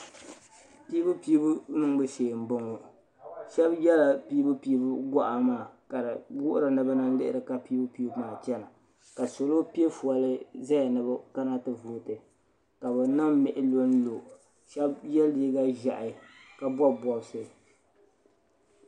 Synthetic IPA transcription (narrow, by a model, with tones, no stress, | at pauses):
piː˦bɨ˦pi˦bu˦nɨ˦ŋbɨ˦ʃeː˨m̩˨˦bʊ˦ŋo˨ | ʃɛ˦bjɛ˦la˨piː˦bɨ˦piː˦bʊ˦ɡɔ˦ʔa˨maː˨ka˨ɾɨ˨ɡʊ˦ʔʊ˦ɾɨ˨nɨ˨ba˦na˦nlɪ˦ʔɪ̰˦ɾɨ˨ka˨pi˦bɨ˦piː˦bmaː˨t͡ʃɛ˦na˨ | ka˨so˨lo˦pi˦e˦fu˨a˨lɨ˦za˦ja˨nɨ˨ba˦ka˦na˦tɨ˨vuː˨tɨ˨ | ka˨bɛ˨nɨ˦mmɛ˨ʔɪ˦lo˦n̩˦lo˨ | ʃɛ˦bjɛ˦ldi˦ɡa˦ʒa̰˨ʔɪ˨ka˦bɔ˦bwɔ˨bsɨ˦˨